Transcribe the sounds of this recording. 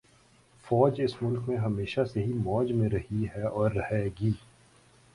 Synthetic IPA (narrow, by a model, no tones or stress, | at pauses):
fɔːd͡ʒɪsmʊlkmẽɦɐmeːʃaseɦimɔːd͡ʒmẽɾɐɦiɦɛɔːɾːɐhɛɡiː